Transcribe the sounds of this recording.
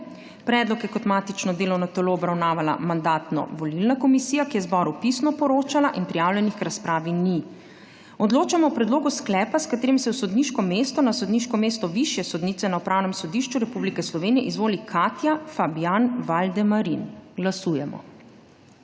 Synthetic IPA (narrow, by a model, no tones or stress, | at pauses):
pɾɛd̪lɔkjɛkɔt̪mat̪it͡ʃnɔd̪eːlɔwnɔt̪ɔloɔbɾawnaːʋala̰mand̪aːt̪nɔ̰ʋɔlilnakɔmisijakijɛzbɔːɾupisnɔpɔɾoːt͡ʃalaʔinpɾijaːwljɛnixkɾaspɾaːʋini | ɔd̪loːt͡ʃamɔwpɾɛd̪loːɡusklɛːpaskat̪eːɾimsɛwsɔd̪niʃkɔmeːst̪ɔnasɔd̪niʃkɔmeːst̪ɔʋiʃjɛsɔd̪niːt̪sɛnaupɾaːwnɛmsɔd̪iʃt͡ʃuɾɛpublikɛslɔʋeːnijɛʔizʋoːlikʰat̪jafabjanʋald̪ɛmaɾinɡlasuːjɛmɔ̰